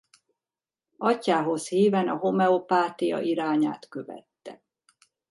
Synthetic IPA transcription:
ɒcːaːɦo̞shiːvɛnɒɦo̞mɛopaːt̪ijɒ̰ʔiɾaːɲa̰ːt̪kø̞vɛ̰t̪ːɛ̰

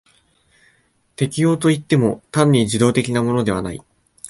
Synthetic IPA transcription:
t̪e̞kʲijo̞ːt̪o̞it̪ːe̞mo̞t̪ãɲʲːid͡ʑid̪o̞ːt̪e̞kʲinamo̞no̞d̪e̞β̞a̰na̰ḭ

